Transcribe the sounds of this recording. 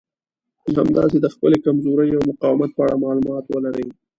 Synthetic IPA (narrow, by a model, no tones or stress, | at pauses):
ɦamd̪ɑ̰sed̪əxpəlekamzoɾəjawmʊqɑwɪmat̪̚pəaɽamɑlumɑt̪wəlaɾəj